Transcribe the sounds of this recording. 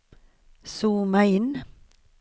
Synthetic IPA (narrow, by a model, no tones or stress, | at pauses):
suːmæɪɪn